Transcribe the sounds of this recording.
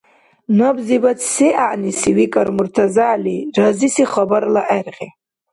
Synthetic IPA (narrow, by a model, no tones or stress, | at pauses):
nɐbzibat͡sʰseʔaʕnisiwikʼɐɾmuɾt̪ʰazaʕlirazisiχabaɾlaʔɛɾʁe